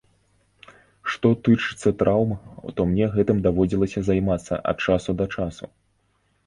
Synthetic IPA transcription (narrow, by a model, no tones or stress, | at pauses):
ʂt̪ɔt̪ɨt͡ʂɨ̥t̪sːɐt̪ɾʔawmɐt̪ɔmnʲɛɣɛt̪ɨmd̪avɔd͡zʲilˠɐsʲɐzajmat̪sːɐ̰ʔɐ̰t̪̚t͡ʂasud̪ɐt͡ʂasṵ